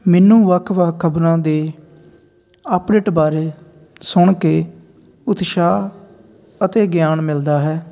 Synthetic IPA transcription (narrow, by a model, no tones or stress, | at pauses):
mɛːnũːʋəkʰʋəkʰːəbɾãːd̪eː | əpɖeːʈbaːɾeː | sʊɳkeː | ʊt̪ʃaː | ət̪eːɡjaːnmɪld̪aːɦɛː